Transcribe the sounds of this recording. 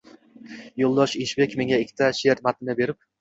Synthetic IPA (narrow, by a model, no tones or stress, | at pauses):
jolˠd̪ɒʃɪʃbekʲmeŋʲaɪkʲʰːɪ̥t̪ʰaʃeɾt̪mat̪ɪnabe̞ɾɪp̚